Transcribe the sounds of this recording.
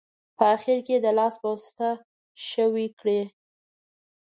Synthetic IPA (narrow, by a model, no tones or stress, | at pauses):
pəaxɪɾked̪əlɑsbəwst̪a | ʃəwikɽe